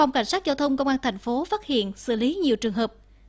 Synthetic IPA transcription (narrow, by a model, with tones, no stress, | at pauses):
a˧˩wŋ͡mka˧˩ŋ̟saː˦˥t̚zaː˧wt̪ʰə˧wŋ͡mkə˧wŋ͡mʔaː˧nt̪ʰa˨˩ŋ̟fo˨˦faː˦˥t̚hḭ˧˨ənsɨ̰˧˩li˨˦ɲi˨˩əwt͡ɕɨ˨˩əŋɦəː˨˩p̚